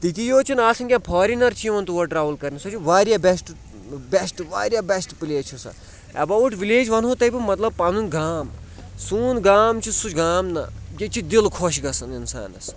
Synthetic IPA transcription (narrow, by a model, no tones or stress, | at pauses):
t̪it̪ʲijoːt͡ʃʰinaːsɐnkʲãpʰɔːɾinɐɾt͡ʃʰijʋɐnt̪uʋɐʈɾaːʋɐlkɐɾnisot͡ʃʰiʋaːɾjabesʈ | besʈʋa̰ːɾjaːbesʈpileːt͡ʃʰusɐ̰ | ɐ̰bɐwʈʋileːd͡ʒʋɐnɦot̪ɐbimɐt̪lɐb̚pɐnunɡaːm | suːnɡaːmt͡ʃʰisut͡ʃʲɡaːmnɐjʲɐt͡ʃʰid̪ilkʰoːʃɡɐsɐninsa̰ːnɐ̰s